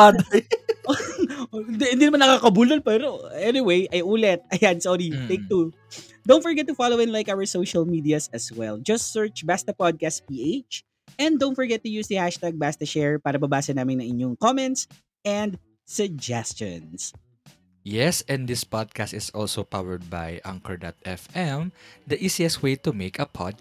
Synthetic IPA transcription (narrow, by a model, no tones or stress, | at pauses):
ad̪ɐjo | d̪hɪnd̪inɐmanːɐkaːkɐbuːlɐnpɛɾoɛniwejʔɐjʔuːlɛt̪̚ɐjansɔɾit̪ejk̚t̪u | d̪õw̃nt̪fɔɹɡɛt̪ːʊfalowɪ̃nlajkawɐɹsowʃɐlmid̪iɐsɐswɛld͡ʒɐst̪sɛɹt͡ʃbast̪ɐpad̪̚kast̪̚piːʔeɪt͡ʃ | ʔɛ̃nd̪õw̃nt̪̚fɔɹɡɛt̪̚ːʊjuːsd̪ɐhaʃt̪aɡ̚bast̪ɐʃɛɹpaːɾɐbɐbaːsɛnaːmɪnɐ̃ŋʔɪɲoŋkɔmɛ̃nt̪s | ʔɛ̃nd̪ | sʊɡ̚d͡ʒɛst͡ʃɔ̰̃ns | jɛsɛ̃nd̪ɪspad̪̚kast̪ɪsɔ̰lsopawɛɹd̪̚ba̰jʔa̰ŋkɐɹd̪at̪̚ɛfɛmd̪ɐʔisiɛswejt̪umeɪkɐpʰɔ̰d̪̚